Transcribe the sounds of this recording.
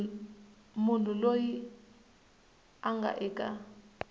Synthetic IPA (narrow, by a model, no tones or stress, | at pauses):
mun̤ʰuloji | aŋɡʱa̰ʔɛːkʼa